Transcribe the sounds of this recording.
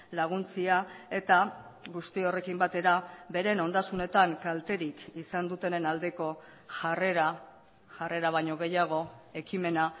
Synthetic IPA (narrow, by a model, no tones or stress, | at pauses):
laɣ̞unt͡siae̞t̪aɣust̪io̞re̞kimbat̪e̞ɾabe̞ɾe̞no̞nd̪asune̞t̪aŋkalt̪e̞ɾikisand̪ut̪e̞nenald̪e̞ko̞ | ʝare̞ɾa | ʝare̞ɾaβ̞aɲo̞ɣ̞e̞jaɣ̞o̞e̞kime̞na